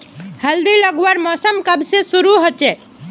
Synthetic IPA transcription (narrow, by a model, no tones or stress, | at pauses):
həld̪iləɡʋaɾmɔːsəmkəbsesuɾuɦot͡ʃe